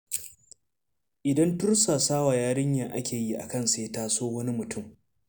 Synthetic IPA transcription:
ʔɪ˨dɐ˦ntʊ˦ɽsaː˨saː˦waː˨jaː˦ɽɪ˦ɲjaː˨ʔa˦kʲʰeː˨ji˦ʔa̰˨kɐ˦˨nseː˦taː˦soː˦wɐ˦ni˦mʊ˨tʰʊ˦˨m

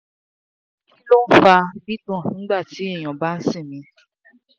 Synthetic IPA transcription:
ĩ˦lo˦n̩˦fa˧bi˦tũ˦˨ĩ˨˦ɡ͡ba˦˨ti˨˦e˦˨j̃ã˨ba˨˦n̩˦sĩ˦˨mĩ˧

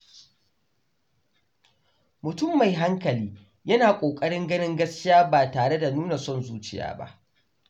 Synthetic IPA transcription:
mʊ˨tʊ˦˨mːa˨jɦa˦ŋkɐ˨liː˦ | jɐ˦naː˨kʷʼoː˨kʼɐ˦ɽɪ˦ŋɡɐ˦nɪ˦ŋɡɐ˦skʲɪ˦jaː˦baː˨taː˨ɽe˦da˨nuː˦na˨sɔ˦˨nzuː˦t͡ʃɪ˨ja̰ː˦ba̰˦ʔ

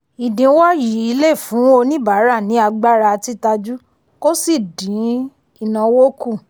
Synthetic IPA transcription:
i˨dĩ˨˦wa˦ji˨˦i˨˧˦le˦˨fũ˨˦o˧nĩ˦ba˨˦ɾa˦˨nĩ˨˦a˧ɡ͡ba˦ɾa˧ti˦ta˧d͡ʒu˦ | ko˦si˦˨dĩ˨˦ | i˨nã˨wo˦ku˦˨

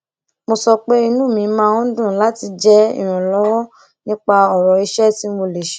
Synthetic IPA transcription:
mo˧sɔ˧k͡pe˦i˧nũ˦˨mĩ˨˧˦mãː˦ũ˦dũ˦˨la˦ti˧d͡ʒɛ˦ḭ̃˦˨ã˨lɔ˦wɔ˦ | nĩ˦k͡pa˧ɔ˨ɾɔ˨i˧ʃɛ˦ti˦mo˧le˨ʃe̥˨

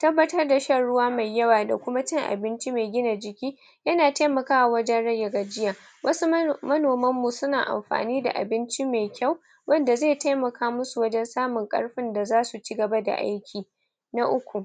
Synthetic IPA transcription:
tɐ˦bːɐ˦tɐ˦rda˨ʃɐ˦ɽʊ˦waː˦ma˨jːɐ˦waː˨da˨kʷʊ˦ma˦t͡ʃɪ˦ŋʔa̰˨bɪ˦nt͡ʃi˦ma˨ɡʲɪ˦na˨d͡ʒɪ˨kʲiː˦ | jɐ˦naː˨ta˦jmɐ˨kaː˦wa˨wɐ˦d͡ʒɛ˦nɽɐ˦jːa˨ɡa˨d͡ʒɪ˦jaː˨ | wʔɐ˦su˦mɐ˦noː˨mɐ˦mːu˨sʊ˦naː˨ʔa̰˨mɸa̰ː˨niː˦da̰˨ʔa̰˨bɪ˦nt͡ʃi˦ma˨kʲa˦˨w | wɐ˦nda˨zeː˦˨ta˦jmɐ˨kʰaː˦mʊ˦su˨wɐ˦d͡ʒɛ˦nsaː˦mʊ˨ŋkʼɐ̰˦ɽɸɪ˦nda˨zaː˦su˨t͡ʃi˦ɡɐ˨ba˦da̰˨ʔa̰˦jkʲʰiː˨ | na˦ʔʊ˦kʷu˨

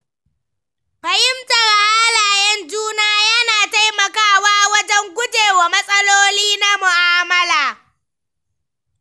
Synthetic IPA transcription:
ɸɐ˨hɪ˦mtɐ˨ɾʔa˦laː˨jɛ˦nd͡ʒuː˦naː˦jɐ˦naː˨ta˦jmɐ˨kaː˦waː˦wɐ˦d͡ʒɛ˦ŋɡʷʊ˦d͡ʒeː˨wa˨mɐ˦sʼɐ˦loː˦liː˦na˦mʊ˨ʔaː˦mɐ˦laː˨

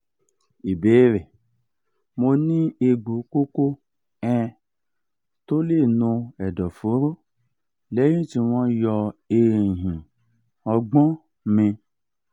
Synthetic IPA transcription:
i˨be˨˦ɾe˨ | mo˧nĩ˦e˧ɡ͡bu˨˦ko˦ko˦ | ɛ̃˧ | to˦le˦˨nõ˧ɛ˨dɔ˨fo˨˦ɾo˦ | le˦jĩ˦ti˧wɔ̃˧jɔ˧e˨ɦĩ˨ | ɔ˧ɡ͡bɔ̃˦ | mẽ˧

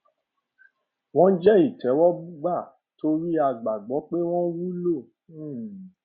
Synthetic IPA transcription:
w̃ɔ̃˦d͡ʒɛ˦i˦˨tɛ˨˦wɔ˦bu˦ɡ͡ba˦˨ | to˧ɾi˦a˧ɡ͡ba˨ɡ͡bɔ˨˦k͡pe˦w̃ɔ̃˦wu˦lo˦˨˦

